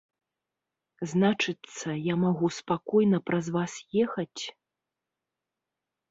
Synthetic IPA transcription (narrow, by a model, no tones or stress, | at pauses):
znat͡ʂɨt̪sɐjamaɣuspakɔjnɐpɾɐzvasjɛxɐt͡sʲ